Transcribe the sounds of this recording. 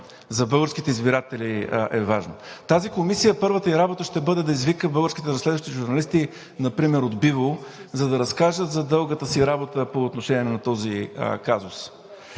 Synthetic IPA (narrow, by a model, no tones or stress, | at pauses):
zɐbɤlˠɡəɾsk̟it̪ɛizbiɾat̪ɛliʔɛvaʒnə̰t̪azikomisijəpɤɾvət̪əiɾabot̪əʃt̪ɛbɤd̪ɛd̪ɐizvikəbɤlˠɡəɾskʲi̥t̪ɛɾɐslʲɛd̪vəʃt̪iʒʊɾnɐlist̪i | nɐpɾimɛɾod̪bivozɐd̪ɐɾɐskaʒət̪zɐd̪ɤlˠɡət̪əsiɾabot̪əpoːt̪noʃɛniɛnɐt̪ɔzḭkazʊs